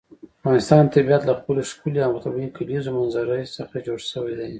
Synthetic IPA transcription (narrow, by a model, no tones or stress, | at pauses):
avɣɑnɪst̪ɑnt̪abiat̪laxpəloʃkuliamat̪awikalizomanzaɾəjsəxad͡ʒoɽʃəwajd̪aj